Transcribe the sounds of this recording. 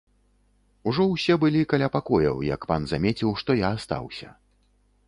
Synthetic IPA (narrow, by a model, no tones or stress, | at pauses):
uʐɔwsʲɛbɨlʲikalʲapakɔjɐ̰wja̰kpanzamʲet͡sʲiwʂt̪ɔjaːst̪a̰wsʲɐ̰